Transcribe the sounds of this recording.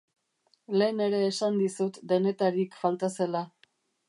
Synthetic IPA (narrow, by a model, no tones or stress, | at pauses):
le̞ːne̞ɾe̞ːsand̪isut̪d̪e̞ne̞t̪aɾikfalt̪ase̞la